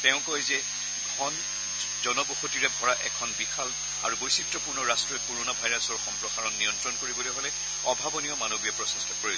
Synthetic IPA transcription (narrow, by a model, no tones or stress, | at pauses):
tɛʊ̃kɔjzɛ | ɡʱɔn | zɔnɔboxotiɹɛbʱɔɹaʔɛkʰɔnbixal | a̰ɹubojsitɹɔpuɹnɔɹastɹɔɛkoɹonabʱajɹasɔɹxɔmpɹɔxaɹɔnːijɔntɹɔnkoɹibɔlɛjɦolɛ | ɔbʱabɔnijɔmanobijɔpɹɔsɛstʰɔkoɹi